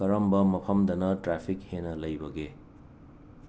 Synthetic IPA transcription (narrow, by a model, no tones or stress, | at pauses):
ɐɾɐmbɐmɐpʰɐmd̪ɐnɐtɾapʰikhenɐlɐjbɐɡe